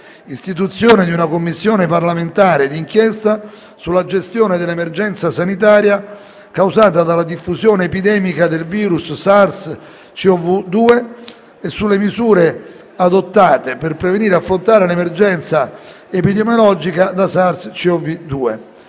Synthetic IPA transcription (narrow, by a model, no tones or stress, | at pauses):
ist̪it̪ut̪sːjoːned̪iunakomːisːjoːneparlament̪aːɾed̪iŋk̟jɛst̪a | sulːad͡ʒest̪joːned̪elːemerd͡ʒɛnt̪sasanit̪aːɾja | kawzaːt̪ad̪alːad̪ifːusjoːneːpid̪ɛːmikad̪elviːɾusːars | t͡ʃiɔvud̪uːe | esːulːemizuːɾe | ad̪ot̪ːaːt̪eperpɾeveniːɾafːɾont̪aːɾelemerd͡ʒɛnt̪sa | epid̪emjolɔd͡ʒikad̪asarst͡ʃiɔvid̪uːḛ